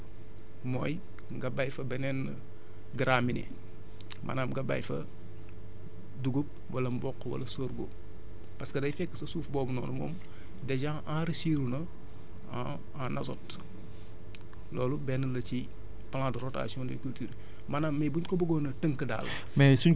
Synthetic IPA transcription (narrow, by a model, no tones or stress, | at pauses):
mɔːj | ŋɡɐbɐjfɐbɛnɛn | ɡɾaːminḭ | mʔɐ̰naːmɡɐbɐ̰jfɐ̰ | duɡup̚wɐlɐmbɔkːwɐ̰lɐsoːɾɡo̰ | pɐskɐdɐjfɛkːəsɐsuːfbɔːbnɔ̰ːnɐmo̰ːm | dɛɟaʔãɾisiɾunɐ | a | anʔɐsɔt | lɔːlubɛnɐlɐci | pɐlãtɾɔːta̰siɔ̃ndɛ̰kultiːɾ | mɐnaːmːɛbuɲkɔbɐɡoːnɐtəŋkəda̰ːlːɐ̰ | mɛsuɲ